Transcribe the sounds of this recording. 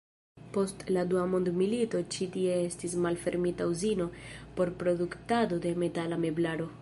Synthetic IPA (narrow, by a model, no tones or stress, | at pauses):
po̞stladuamo̞ndmilito̞t͡ʃitie̞e̞stis̬malfe̞ɾmitauzino̞po̞ɾpɾo̞duktado̞de̞me̞talame̞blaɾo̞